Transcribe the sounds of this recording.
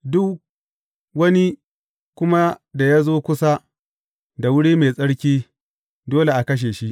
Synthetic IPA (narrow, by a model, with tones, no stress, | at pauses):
dʊ˦k | wɐ˦ni˦ | kʷʊ˦ma˦da˨ja˦zoː˦kʷʊ˦sa˦ | da˨wʊ˦ɽiː˦me˨sʼɐ˦ɽkʲiː˦ | doː˦le˨ʔa˨kɐ˦ʃ̬eː˨ʃi˦ʔ